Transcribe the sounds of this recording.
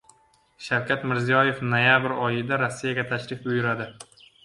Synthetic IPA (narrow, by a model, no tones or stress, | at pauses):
ʃawkʲʰat̪mɪɾzijɒje̞fnojabɾɒjɪd̪aɾɒsːijaɡʲat̪ʰaʃɾɪfbʊjɪɾad̪ɪ